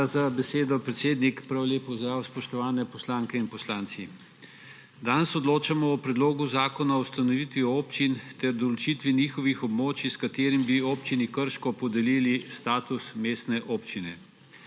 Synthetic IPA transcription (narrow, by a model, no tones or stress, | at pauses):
zabɛseːd̪ɔpɾɛt̪seːd̪nikpɾawleːpɔzd̪ɾaːwspɔʃt̪ɔʋaːnɛpɔslaːŋkɛinpɔslaːnt̪si | d̪ansɔd̪loːt͡ʃamɔːpɾɛd̪loːɡuzaːkɔnaɔwust̪anɔʋiːt̪ʋiɔoːpt͡ʃint̪ɛɾd̪ɔlɔt͡ʃit̪ʋiniːxɔʋixɔbmoːt͡ʃiskat̪eːɾimbioːpt͡ʃinikəɾʃkɔpɔd̪ɛliːlist̪aːt̪usmeːst̪nɛʔoːpt͡ʃinɛ̰